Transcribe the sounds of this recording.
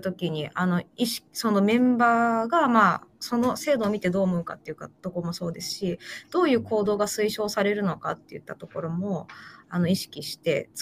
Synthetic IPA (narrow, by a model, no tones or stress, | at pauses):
t̪o̞kʲiɲ̟iʔano̞iɕi̥so̞no̞mẽ̞mbaːɡamaːso̞no̞se̞ːd̪o̞ːmʲit̪e̞d̪o̞ːmo̞ɯ̟ka̰t̪ːe̞iɯ̟kat̪o̞koɾomo̞so̞ːd̪e̞sɨ̥ɕid̪̥o̞ːjɯ̟ːko̞ːd̪o̞ːɡasɨiɕo̞ːsaɾe̞ɾɯ̟no̞ka̰t̪ːe̞̰jɯ̟̰t̪ːat̪o̞ko̞ɾo̞mo̞ano̞iɕi̥kʲiɕi̥t̪e̞̰t͡s